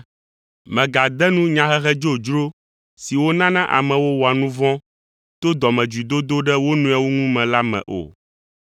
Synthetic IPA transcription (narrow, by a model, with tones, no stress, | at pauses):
mɛ̃˨ɡa˨d̪ɛ˦nũ˦ɲã˨xɛ˦ɦɛ˦d͡ʒo˦˨d͡ʒɾo˦ | si˨wo˦nã˦nã˦ʔa̰˨mɛ̃˨wo˦wɔ˨a˨nũ˦vɔ̃˦ | t̪o˦d̪ɔ˨mɛ̃˨d͡ʒu˨d̪o˦d̪o˦ɖɛ˦wo˦nũ˦ɛ˨wo˦ŋũ˦mɛ̃˨la˦mɛ̰̃˨ʔo̰˨